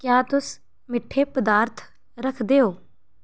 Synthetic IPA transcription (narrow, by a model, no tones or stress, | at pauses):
kjaːt̪ʊs | mɪʈʰːeːpəd̪aːɾt̪ʰ | ɾəkʰd̪eːoː